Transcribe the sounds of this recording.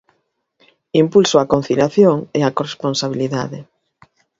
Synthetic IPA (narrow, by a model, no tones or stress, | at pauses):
impulsʊakon̟θiljaθjoŋeakoresponsaβ̞iliða̰ðe